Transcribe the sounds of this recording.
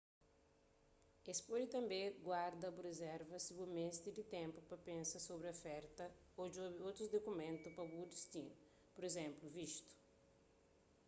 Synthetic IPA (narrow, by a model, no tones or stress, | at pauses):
espod͡ʒit̪ɐ̃mbẽɡwaɾd̪ɐbuɾezɛɾvɐsibumest̪id̪it̪ẽmpupɐpẽnsɐsobɾofɛɾt̪ɐ | od͡ʒobɾiot̪ɾuzd̪okumẽnt̪upɐbud̪ist̪ĩ | poɾezẽmpluviʃt̪u̥